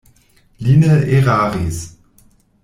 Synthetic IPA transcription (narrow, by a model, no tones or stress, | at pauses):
liːnəeʁaːʁis